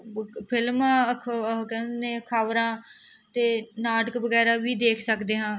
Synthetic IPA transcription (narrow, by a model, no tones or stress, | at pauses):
pʰɪlmːkʰkɛ̃ːnẽːkʰaːʋɾãː | t̪eːnaːɖəkbəɡɛːɾaːʋiːd̪eːkʰsəkd̪eːɦãː